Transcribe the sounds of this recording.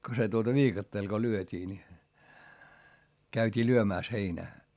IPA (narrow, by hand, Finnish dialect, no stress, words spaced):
ko se tuotɑ ʋiːkɑtːeːl ko lyøtʲiː ni kæytʲiː lyømæˑs heinæː